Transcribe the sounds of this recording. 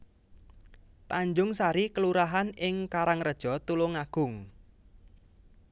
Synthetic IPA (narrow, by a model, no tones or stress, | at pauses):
t̪aɲd͡ʒʊŋsaɾikəluɾaɦanɪŋkaɾaŋrəd̥ʒ̥ɔ̤t̪ulʊŋaɡ̥ʊŋ